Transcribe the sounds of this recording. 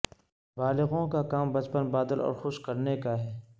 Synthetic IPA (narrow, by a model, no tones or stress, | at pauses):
baːlɪɣõkakaːmbɐt͡ʃpənbaːd̪əlʔɔ̰ːɾxʊʃkɐɾnekaɦɛː